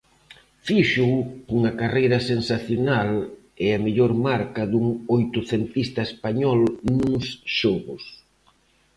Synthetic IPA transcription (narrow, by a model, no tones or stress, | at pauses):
fiʃukuŋɐkarejɾɐsensaθjonal | ɛɐmeʎɔɾmaɾkɐðuŋojt̪ʊθent̪ist̪ɐespaɲɔlnuŋsʃɔɣʊs